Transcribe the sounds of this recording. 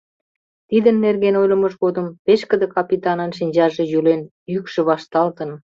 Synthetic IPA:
t̪id̪ənːerɣenojlʲə̆məʒɣod̪əmpeʃkə̆d̪ə̆kɑpʲit̪ɑnɑnʃinʲd͡ʑɑʒe̽jylen | jykʃĕβɑʃt̪ɑlt̪ə̆n

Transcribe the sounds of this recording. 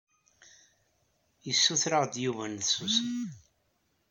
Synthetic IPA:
jəsːuθɾəʁd̪juvænðsusən

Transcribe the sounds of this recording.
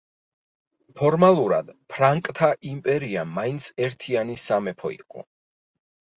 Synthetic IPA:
pʰɔɾmalˠuɾad̪̥pʰɾaŋkʼt̪ʰaʔimpʼɛɾiamːaint̪sʰɛɾt̪ʰianisamɛpʰɔḭqʼɔ̰

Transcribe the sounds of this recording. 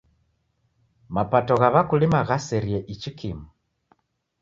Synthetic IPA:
mapatɔɣaβakulimaɣasɛɾjɛʔit͡ʃikimu

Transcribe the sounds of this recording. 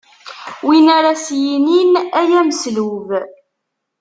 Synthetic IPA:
winaɾasjininæjæməsluv

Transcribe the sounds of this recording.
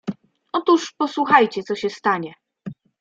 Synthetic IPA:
ɔt̪uʂpɔswuxajt͡ɕɛt̪sɔɕɛst̪aɲɛ

